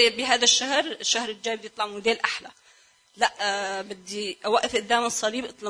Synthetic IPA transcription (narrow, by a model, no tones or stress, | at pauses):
bɪɦaːd̪aʃːahɾʃːahɾɪld͡ʒaːjbɪd̪ijɨt̪ˤlɑʕmʊd̪eːlʔaħla | laʔbɪd̪ːiʔwaʔɪfʔʊd̪ːaːmɨsˤːɑliːbʔɨt̪ˤlɑ